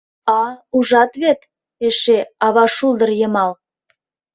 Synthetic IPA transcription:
ɑuʒɑt̪βet̪ | eʃeɑβɑʃulˠd̪ərjəmɑl

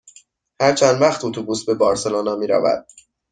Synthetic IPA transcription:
hæɾt͡ʃʰænd̪væxt̪ʰot̪ʰubusbe̞bɒːɾseloːnɒmiːɾæ̰væ̰d̪̥̚

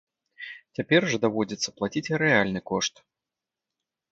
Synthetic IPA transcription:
t͡sʲapʲɛrʐɐd̪avɔd͡zʲit̪sːɐ̥plˠat͡sʲit͡sʲɾɛalʲnɨkɔʂt̪

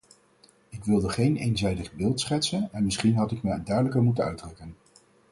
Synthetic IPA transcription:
ɪkʋɪlˠdəχejnḛjnzɛjdəχbɪːlˠtsχɛtsənɛnmɪsχinɦɑtɪkməəndœɥdələkəɹmutənœɥdrɵkən

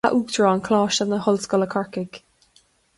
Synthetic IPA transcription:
aʔuːk̚tʰɹɔːnkʰl̥ɑːʃənðəhʊlskɔləkʰɑɹkɪɡ̥

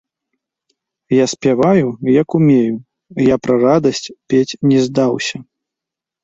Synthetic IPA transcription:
jasʲpʲavajujɐkumʲeju | japɾɐrad̪ɐsʲt͡sʲpʲet͡sʲnʲɛzd̪awsʲɐ

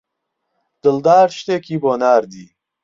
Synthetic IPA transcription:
d̪̥ɨld̪aːɾʃt̪ekʰiːboːnaːɾd̪iː

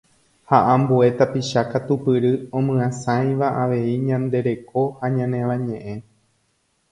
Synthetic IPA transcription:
haʔãmbue̞t̪apiʃakat̪upɨɾɨõmɨ̃ãsãj̃ʋaʔaʋe̞iɲãnd̪e̞ɾe̞ko̞haɲãnẽ̞ʋãɲẽ̞ʔẽ̞

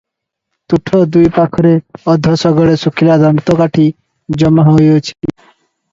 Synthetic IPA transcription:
t̪uʈʰɔd̪ujpakʰɔɾeɔd̪ʱɔsɔɡɔɭesukʰilad̪amt̪ɔkaʈʰi | d͡ʒɔmaɦɦojot͡ʃʰi̥i

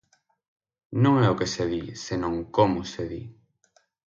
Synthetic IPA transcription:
nõŋɛokeseðisenõŋkomʊseðḭ

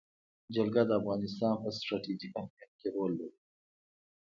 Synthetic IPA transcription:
d͡ʒalɡad̪əafɣɑnɪst̪ɑnpəsʈɾɑʈid͡ʒikamjat̪̚keɾolːəɾi

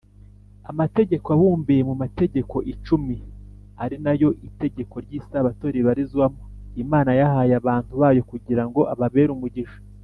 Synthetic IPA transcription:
amate̞ɟe̞koaβuːmbijemumate̞ɟe̞ko̞ʔit͡ʃumi | aɾinajo̞ʔite̞ɟe̞ko̞ɾɟiːsaβato̞ɾiβaɾizɡwamoimaːnajahaːjaβaːntuβaːjo̞kuɟiɾaŋɡo̞ʔaβaβe̞ːɾumuɟiʃḁ

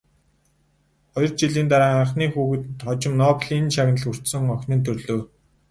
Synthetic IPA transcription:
χɔjɞ̆rt͡ɕiɮiːnt̪aɾaːaɴχniːxuːɣɘ̆t̪t̪χɔt͡ɕɪ̆mnɔːpɮinʃaɣnəɮur̥t̪sɵ̆ŋɔxʲnɘ̆nt̪ʰɵrɮoː

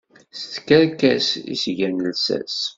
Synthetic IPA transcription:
st̪kəɾkæsḭsʝænəlsæ̰s

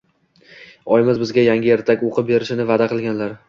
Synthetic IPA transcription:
ɒjɪmɪzbɪzɡʲajaŋɡʲɪjeɾt̪ʰakʲoqʰɨp̚be̞ɾɪʃɪnɪvad̪aqʰɨlˠɡʲanlaɾ

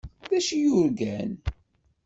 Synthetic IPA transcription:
ðæʃijʊɾɡæn

